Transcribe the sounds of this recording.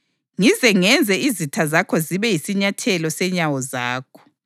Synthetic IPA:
ŋizɛŋɛnd͡zʱɛizitʰazakʰɔziβɛjisiɲatʰɛlɔsɛɲawɔzaːkʰɔ̥

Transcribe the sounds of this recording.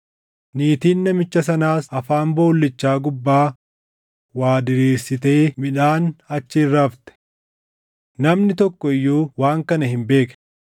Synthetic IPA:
niːt̪iːnːɐmɪt͡ʃːɐs̬ɐnaːsɐfaːmbo̞ːlːɪt͡ʃːaːɡʊbːaː | waːd̪ɪɾiːɾsɪt̪e̞ːmɪᶑaːnɐt͡ʃːɪrːaːft̪ɛ̥ | nɐmnɪt̪ɔkːɔɪjːuːwaːŋkɐnɐhɪmbe̞ːk

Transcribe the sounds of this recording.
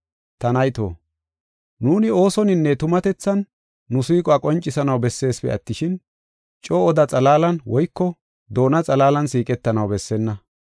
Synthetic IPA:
t̪ɐnɐjt̪o̰ː | nuːnɪo̞ːsɔnɪnːɛt̪ʊmɐt̪ɛt͡sːɐnː | ʊsiːkʼɔɐkʼɔnt͡ʃʼːɪsɐnɐwbɛsːe̞ːspɛ̰ɐt̪ːɪʃɪn | t͡ʃʼoːd̪ɐt͡sʼɐlaːlɐnwɔjkːɔ | d̪o̞ːnɐt͡sʼɐlaːlɐnsiːkʼɛt̪ːɐnɐwbɛsːɛnːɐ

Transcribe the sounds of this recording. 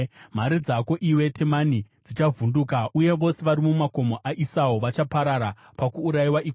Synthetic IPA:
m̤aɾid͡zako̞ʔiwe̞tʰe̞manid͡zit͡ʃavundukaʔuje̞ʋo̞se̞ʋaɾimumako̞moʔaʔisawoʋat͡ʃapaɾaɾa | pakuːɾajiwaʔik

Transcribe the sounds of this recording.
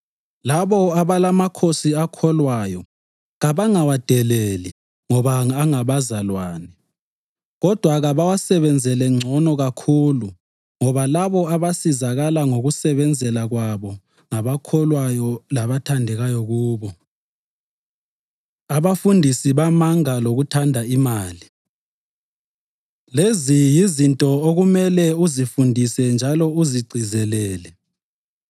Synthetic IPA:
laβɔaβalamakʰosiakʰɔlwajɔ | ɣaβaŋawad̥ʱɛleli | ŋɔβaːŋaβazalwaːnɛ | ɣɔd̥ʱwaɣaβawasɛβɛnd͡zʱɛlɛŋ͡ǀʱɔnɔɣakʰulu | ŋɔβalaβɔaβasizaɣalaŋoɣusɛβɛnd͡zʱɛlaɣwaβɔ | ŋaβakʰɔlwajɔlaβatʰandʱɛɣajɔɣuːβɔ | aβafundʱisiβamaŋaloɣutʰandʱaimaːli | lezijizintʼɔoɣumɛlɛuzifundʱisɛnd͡ʒʱalɔuziɡ͡ǀʱizɛlɛːlɛ

